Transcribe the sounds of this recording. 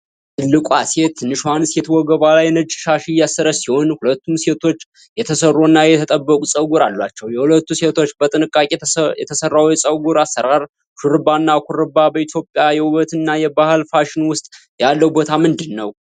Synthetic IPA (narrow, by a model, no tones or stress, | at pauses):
t̪ʰɨlːɨkʷʼase̞t̪ʰːɨnːɨʃhansjɛt̪ʰwɔɡəβalajnəd͡ʒʃaʃijasːəɾəsiho̞nhulət̪ʰːumse̞t̪ʰo̞t͡ʃː | jɛt̪ʰəsərːoɨnːajɛt̪ʰət̪ʼəbːəkʼusʼəwɡuɾalːwat͡ʃːɛwjɛhulət̪ːuse̞t̪ʰo̞t͡ʃːbət̪ʼɨnɨkʼːakʼejɛt̪ʰəsərːawjɛsʼəwɡuɾasːəɾaɾ | ʃuɾɨbanːakʰuɾɨbabəit̪ʰjo̞pʼjajɛwuβət̪ʰɨnːajɛbahɨlfaʃɪnwʊst̪ʼ | jalːəwbo̞t̪ʰamɨnd̪ɨnːəw